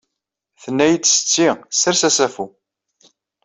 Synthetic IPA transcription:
θənːæjət͡sːsə̥t͡sːisəɾsæsæfu

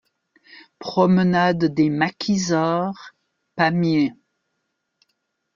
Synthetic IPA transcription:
pχɔmənad̪ːemakʲʰizaʁ | pamje

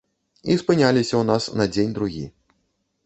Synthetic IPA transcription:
ispɨnʲalʲisʲɐwnasnɐd͡zʲenʲd̪ɾuɣʲḭ

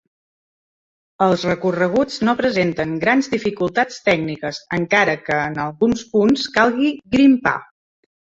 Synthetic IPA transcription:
əlˠzrəkurəɣ̞ut͡snopɾəzent̪əŋɡɾanzd̪ifikulˠt̪at͡st̪ɛɡnikəzəŋkaɾəkəːnəlˠɣunspunskalˠɣiɣɾimpa̰

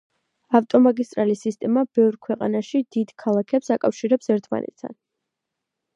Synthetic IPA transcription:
aft̪ʼɔmaɡist̪ʼɾalisist̪ʼɛmabɛvɾkʰwɛqʼa̰naʃid̪̥id̪kʰalˠakʰɛpsakʼafʃiɾɛpsɛɾt̪ʰma̰nɛ̰t̪̚ʰt̪ʰa̰n

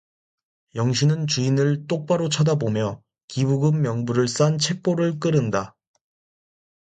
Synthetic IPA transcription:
jʌŋɕʰinɯnt͡ɕuinɯɭt͈ok̚p͈aɾot͡ɕʰadabomjʌ | kibuɡɯmːjʌŋbuɾɯɭs͈ant͡ɕʰe̞k̚p͈oɾɯɭk̬͈ɯɾɯnda

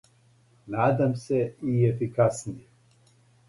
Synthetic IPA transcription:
naːd̪amse̞iefikasnije

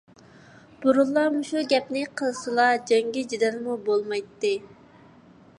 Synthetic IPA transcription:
b̥uɾulˠːɑmuʃuɡʲɛpnɪqʰəlˠsɨlˠɑd͡ʒɛŋɡʲid͡ʒid̪ɛnmubolˠmɑjt̪ːɨ

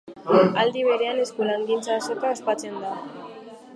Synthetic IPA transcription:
ald̪iβ̞e̞ɾe̞ane̞skulaŋɡint͡saːso̞kaospat͡se̞nd̪a

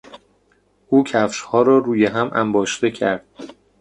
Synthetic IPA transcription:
ʔuːcʰæfʃhɒːɾɒːɾuːjeɦæmʔæ̰mbɒːʃd̪e̞cʰæ̰ɾd̪̥̚

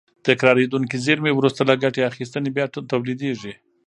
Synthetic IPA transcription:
t̪ɪkɾɑɾed̪unkizeɾmewɾust̪alaɡaʈeaxist̪ənebjɑt̪awlid̪eʐi

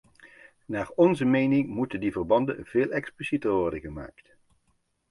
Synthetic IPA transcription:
naːrɔnzəmejnɪŋmutəndivərbɑndə̰nveːlˠɛksplisitərʋɔrdəɣəma̰ːkt

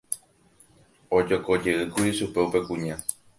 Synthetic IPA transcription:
o̞d͡ʒoko̞d͡ʒe̞ʔɨkuɾiʃupe̞upe̞kũɲã

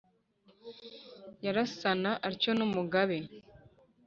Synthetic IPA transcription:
jaɾasanaʔaɾco̞numuɡaβe

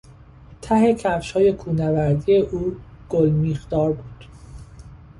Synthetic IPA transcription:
t̪ʰæɦe̞cʰæfʃhɒːje̞kʰuːnævæɾd̪ije̞ʔuː | ɡ̥olmiːxd̪ɒːɾbuːd̪̥

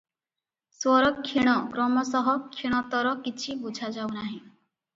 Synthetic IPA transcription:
swɔɾɔkkʰːiɽ̃ɔkɾɔmɔsɔɦɔkʰiɽ̃ɔt̪ɔɾɔkit͡ʃʰibud͡ʒʱad͡ʒawnaɦĩ

